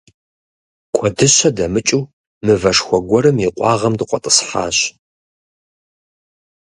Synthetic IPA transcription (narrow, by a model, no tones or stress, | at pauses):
kʷʰɔdɨɕɐdɐmɨt͡ʃʼuː | mɨvɐʂxʷɔɡʷɔɾɨmiqʷʼɑːʁɐmdɨqʷɔtʼə̥sħa̰ːɕ